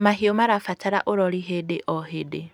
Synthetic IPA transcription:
mahiomaɾafat͡ʃaɾa̰ʔoɾɔliɦedeʔɔɦede

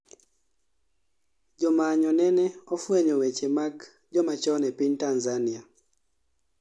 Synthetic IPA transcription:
d͡ʒɔmaɲɔnɛnɛɔfweɲɔwet͡ʃemak | d͡ʒɔmat͡ʃɔnɛpiɲtanzania

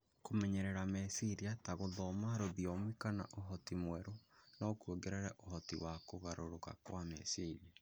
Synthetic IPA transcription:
komɛɲɛɾɛɾamɛsiɾiataɣoðɔmaɾoðiɔmikana̰ʔoɦɔtimwɛɾonaokoɡɛɾɛɾɛʔoɦɔtḭwakoɣaɾoɾoka̰kwamɛ̰siɾia

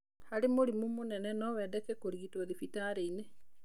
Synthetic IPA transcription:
haɾemoɾimomonɛnɛnɔwɛːdɛkɛkoɾiitɔðifitaɾeine

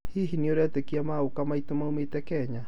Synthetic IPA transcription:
hiɦinioɾɛt̪ekiamaukamait̪omaumet̪ɛkɛɲa

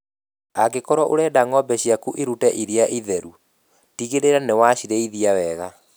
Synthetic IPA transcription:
aɡekɔɾwɔʔoɾɛdaŋɔbɛɕiakuʔeɾutɛʔiɾiaʔiðɛɾu | tiɣeɾeɾanewaɕiɾeiðiawɛɣa

